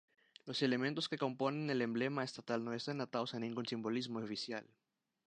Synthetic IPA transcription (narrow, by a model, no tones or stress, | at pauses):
loselemẽnt̪oskeko̞mponẽnelemblemaest̪at̪alnoest̪anat̪aosanĩŋɡunsimbolizmoofisja̰l